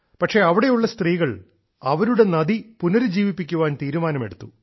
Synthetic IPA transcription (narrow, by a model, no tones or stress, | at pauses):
pɐʈʂe̞ɐʋiɽe̞juɭːɐst̪riːɣɐɭ | ɐʋɐɾuɽe̞nɐd̪ipunɐɾɨd͡ʑiːʋipːikʲːuʋaːnt̪iːɾumaːnɐme̞ɽut̪ːu